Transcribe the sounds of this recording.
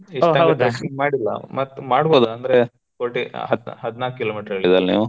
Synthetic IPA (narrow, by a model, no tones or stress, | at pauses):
eʈ̪ɐɐɡɡ̪ɐsiŋɡmaːɽilːɐ̰mɐt̪ːmaːɽboːd̪uɐnd̪ɐɾe | koɾʈiɦɐd̪ɦɐd̪naːk̚kːiloːmiːʈɐɾɐɡɐɭid̪aːlnḭːʋu